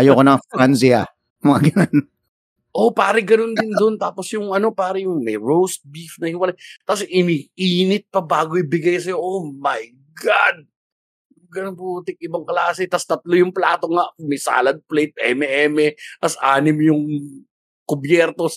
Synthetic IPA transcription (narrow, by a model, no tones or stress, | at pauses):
ɐjokonɐŋfɾansiɐ | mɐŋaɡɐnon | ʔo̞paːɾɪɡɐno̞nd̪ɪnd̪o̞nt̪aːposjʊŋʔɐno̞paːɾɐjʊŋmɛjɹowst̪̚bifnɐhɪwɐlajt̪ɐsʔɪmiʔiːnɪt̪̚pɐbaːɡoʔɪbɪɡajsɐjo̞ʔomɐj | ɡad̪̚ | ɡɐnonput̪ɪk̚ʔɪbɐŋklaːsɛt̪ɐst̪ɐt̪̚lojʊŋplaːt̪o̞ŋaʔmɛsa̰ːlɐd̪̚plejt̪̚ʔɛmɛʔɛːmɛt̪ɐsʔaːnɪmjʊŋ | kʊbjɛɾt̪o̞